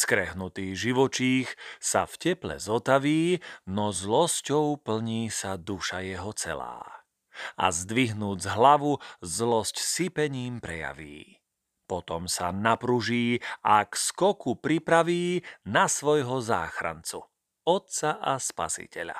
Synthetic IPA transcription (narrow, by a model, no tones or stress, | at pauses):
skɾɛɦnut̪iːɣʒiʋɔt͡ʃiːxsa̰fcɛplɛ̰zɔt̪aʋiːnɔzlɔscɔʊpl̩ɲiːsad̪uʃajɛɦɔt͡sɛ̰la̰ː | a̰zd̪ʋiɦnuːd͡zɦlaʋuzlɔscsipɛɲiːmpɾɛja̰ʋḭː | pɔt̪ɔmsanapɾuʒiːakskɔkupɾipɾaʋiːnasʋɔjɦɔza̰ːxɾa̰nt͡su | ɔt̪t͡saʔaspa̰sḭcɛʎa̰